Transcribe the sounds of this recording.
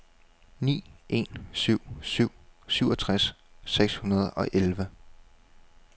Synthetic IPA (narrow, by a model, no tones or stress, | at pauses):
nḭːʔe̝̰nsyʊ̰syʊ̰syʊɒt͡sʰʁas | seɡ̥shunɐð̞ˠɒ̽ʔelʋə